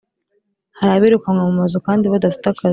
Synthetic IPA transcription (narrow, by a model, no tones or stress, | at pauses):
haɾaβiɾukamŋamumazukaːndiβadafi̥taka